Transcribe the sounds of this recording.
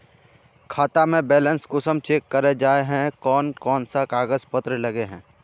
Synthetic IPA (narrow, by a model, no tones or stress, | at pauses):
kʰaːt̪amẽbɛːlɛ̃nskʊsəmt͡ʃeːkːəɾed͡ʒaːeɦɛ̃kɔːnkɔːnsakaːɡəzpət̪ɾəlɐɡeɦɛ̃ː